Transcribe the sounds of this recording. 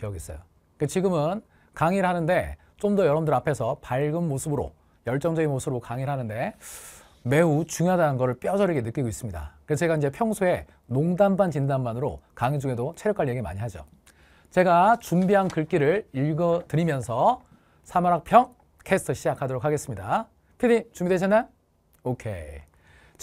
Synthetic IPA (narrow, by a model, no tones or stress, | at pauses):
kiʌɡis͈ʌjo | ket͡ɕiɡɯmɯn | kaŋiɾɦanɯnde̞ | t͡ɕ͈omdʌjʌɾʌmdɯɾapʰe̞sʰʌpaɭɡɯnmosʰɯbɯɾo̰ | jʌɭt͡ɕ͈ʌŋd͡ʑʌɡinmosʰɯbɯɾokaŋiɭɦanɯnde̞ | me̞ut͡ɕuŋjoɦadanɯnɡʌɾɯɭp͈jʌd͡ʑʌɾiɡenɯk͈iɡois͈ɯmɲida̰kɯɾest͡ɕeɡaind͡ʑe̞pʰjʌŋsʰoe̞ | noŋdanbant͡ɕindanmanɯɾo̰kaŋid͡ʑuŋe̞dot͡ɕʰeɾjʌk͈aɭːieɡema̰ɲiɦad͡ʑo̰ | t͡ɕe̞ɡat͡ɕumbiɦankɯɭk͈iɾɯɭiɭɡʌtɯɾimjʌnsʰʌ | sʰamaɾak̚pʰjʌŋ | kʰe̞sɯtʰɯɕʰid͡ʑakʰadoɾokʰaɡe̞s͈ɯmɲida | pʰidit͡ɕumbideɕʰʌnːa | okʰe̞̰ | t͡ɕ